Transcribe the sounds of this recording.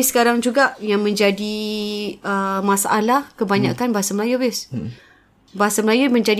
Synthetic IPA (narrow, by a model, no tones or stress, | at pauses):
isə̥kaɾaŋd͡ʒuɡaʔjaŋmə̃ɲd͡ʒadi | əmasaʔalahkəbaɲakanbaɦasaməlajubɪs | baɦasaməlajumə̃ɲd͡ʒad